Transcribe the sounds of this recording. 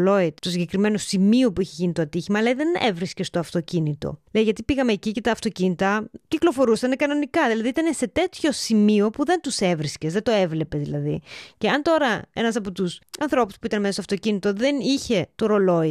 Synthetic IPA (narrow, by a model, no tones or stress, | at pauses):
lo̞id̪t̪osiɲɟe̞kɾime̞no̞simio̞puiçe̞ʝinit̪oɐt̪içimɐːlɐðe̞nḛvɾisce̞st̪o̞ɐft̪o̞cinit̪o̞̰lejʝɐt̪ipiɣɐme̞ːcice̞t̪ɐːft̪o̞cinit̪ɐciklo̞fo̞ɾusɐnekɐno̞nikɐðilɐðiit̪ɐne̞se̞t̪e̞t̪ço̞simio̞puðe̞nt̪use̞vɾisce̞zðed̪o̞e̞vle̞pe̞zðilɐðiceɐnt̪o̞ɾɐe̞̰nɐsɐpot̪usɐnθɾo̞pu̥spuit̪ɐnmest̪ɐft̪o̞cinit̪o̞ðe̞niçe̞t̪o̞ɾo̞lo̞i